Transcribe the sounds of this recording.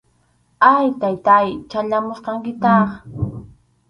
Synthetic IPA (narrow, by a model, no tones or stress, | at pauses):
ajt̪ajt̪ajt͡ʃaʎamoʃqɑŋkɪt̪ɑχ